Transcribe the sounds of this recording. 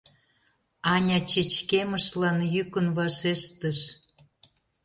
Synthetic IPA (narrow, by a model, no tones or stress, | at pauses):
ɑnʲɑt͡ɕet͡ɕkeməʃlɑnjykənβɑʃeʃt̪əʃ